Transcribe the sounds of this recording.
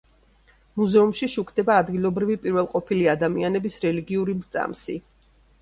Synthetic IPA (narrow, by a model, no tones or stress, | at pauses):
muzɛumʃiʃukʰd̪ɛbaːd̪ɡilˠɔbɾivipʼiɾvɛlˠqʼɔpʰiliad̪amianɛbisɾɛliɡiuɾimt̪sʼa̰msi